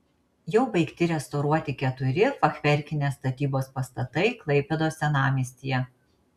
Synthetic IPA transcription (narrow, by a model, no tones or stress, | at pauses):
jɛʊbɐɪkt̪ʲɪɾʲɛst̪ɐʊɾuɔt̪ʲɪkʲɛt̪ʊɾʲɪfɐxʲʋʲɛɾʲkʲɪnʲeːst̪ɐt̪ʲiːboːspɐst̪ɐt̪ɐɪklˠɐɪpʲɛd̪oːsʲɛnɑːmʲiːsʲt̪ʲiːjɛ